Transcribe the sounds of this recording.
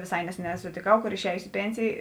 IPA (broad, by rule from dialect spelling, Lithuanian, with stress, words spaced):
ʋʲeːˈsɐɪ ˈnʲæːsʲɛˌnʲɛː sʊtʲeːˈkɐʊ ˈkoːr ɪʃʲˈæːjʊsʲɪ ɪ ˈpʲeːnʲsʲeːjeː